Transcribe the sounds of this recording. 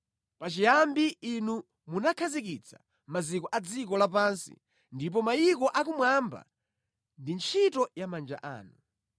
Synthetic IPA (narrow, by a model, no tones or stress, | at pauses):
pat͡ʃijambiːnu | munakʰazikit͡sʰa | mazikɔʔad͡zik̬ɔlap̬ansḭ | ndip̬ɔmajikɔʔak̬umwamba̰ | ndint͡ʃʰitɔjamand͡ʒa̰ʔa̰ːnu